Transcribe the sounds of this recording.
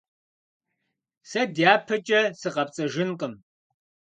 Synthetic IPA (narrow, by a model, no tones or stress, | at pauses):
sɐdjaːpʰɐt͡ʃʼɐsɨqɐpt͡sʼɐʒɪnqʼəm